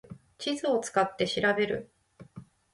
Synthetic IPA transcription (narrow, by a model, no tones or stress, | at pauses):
t͡ɕizɨo̞t͡sɨ̥kat̪ːe̞ɕiɾabe̞ɾɯ̟̰